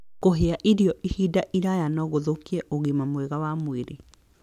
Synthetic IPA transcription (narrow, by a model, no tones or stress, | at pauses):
koɦeaʔiɾiɔʔihidaʔiɾajanɔɣoðokiɛʔoɣemamwɛɣawamweɾe